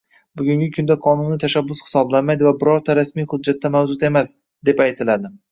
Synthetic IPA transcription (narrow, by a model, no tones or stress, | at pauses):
bʊɡʲʊŋɡʲɪkʰʊnd̪aqʰɒnʊnɪt̪ʰaʃabːʊshɪ̥sɒblanmajd̪ɪvabɪɾɒɾt̪ʰaɾasmijhʊd̪̚d͡ʒːat̪ʰːamavd͡ʒʊt̪e̞mas | d̪e̞pajt̪ʰɪlad̪ɪ